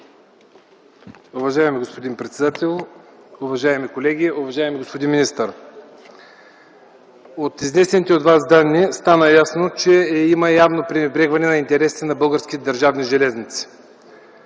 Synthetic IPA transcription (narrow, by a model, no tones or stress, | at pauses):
uvɐʒaɛmiɡospod̪inpɾɛt̪sɛd̪at̪ʰɛlˠuvɐʒaɛmikolɛɡʲiuvɐʒaɛmiɡospod̪inminist̪əɾ | ot̪iznɛsɛnit̪ɛot̪vasd̪anːist̪anəjasnot͡ʃɛiməjavnopɾinɛbɾɛɡvɐnɛnɐint̪ɛɾɛsi̥t̪ɛnɐbɤlˠɡəɾskʲit̪ɛd̪ɐɾʒavniʒɛlɛznit̪si̥